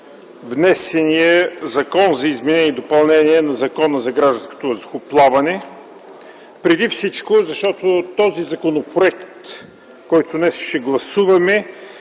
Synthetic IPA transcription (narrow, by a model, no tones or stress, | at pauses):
vnɛsɛnijəzɐkɔnzɐizmɛnɛnd̪opɐlˠnɛniɛnɐzɐkɔnəzɐɡɾaʒd̪ɐ̃sko̥t̪oɐzoxʊplˠavɐnɛ | pɾɛd̪ifsit͡ʃkozɐʃt̪ɔt̪ot̪ɔzizɐkonopɾoɛkt̪ | kɔjt̪ʊnɛsʃt̪ɛɡlˠɐsuvɐmɛ